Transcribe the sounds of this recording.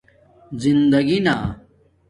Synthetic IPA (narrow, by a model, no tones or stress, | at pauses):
zind̪ɐɡina